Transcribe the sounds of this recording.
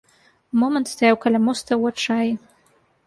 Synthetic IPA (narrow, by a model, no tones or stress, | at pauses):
momənt̪st̪ajawkalʲamost̪ɐwɐʈ͡ʂaj